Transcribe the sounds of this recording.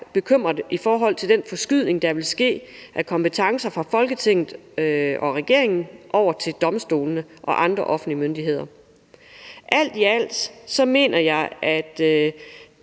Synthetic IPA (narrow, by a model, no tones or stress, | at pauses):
b̥e̝kʰøm̰ʁɐd̥ifɒːɦɒ̽l̰t͡sʰe̝ld̥enfɒ̽sɡ̥yð̰ˠne̝ŋd̥ɑ̈ʋe̝lsɡ̥e̝̰ːʔækʰɒ̽mpət͡sʰɑ̈ŋsɐfʁɑ̈fɒ̽lɡ̥ət͡sʰeŋ̰ð̩ˠɒ̽ʁɛɡ̥e̝̰ɐ̰eŋn̩ʔɒʊ̰ɐt͡sʰe̝ld̥ɒ̽msd̥o̝̰ːlnəʔɒ̽ʔɑ̈nd̥ʁɐʔɒ̽fn̩dlimønd̥iɦe̝ð̞̰ˠɐ | ʔæl̰d̥iæl̰d̥sɒ̽me̝̰ːnʔɐjɑ̈ɪæd̥